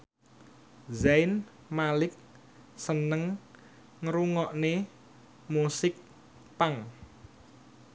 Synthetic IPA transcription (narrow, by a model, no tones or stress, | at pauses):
zajn | malɪk̚ | sənəŋ | ŋɾuŋɔʔne | musɪk̚ | paŋ